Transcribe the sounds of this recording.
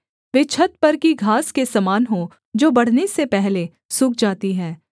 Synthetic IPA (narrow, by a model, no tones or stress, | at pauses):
ʋɪt͡ʃʰət̪̚pɐɾkiɡʱaːskesɐmaːnɦo | d͡ʒoːbɐɽ̤nesepɛɦle | sʊk̚ʰd͡ʒaːt̪iɦɛː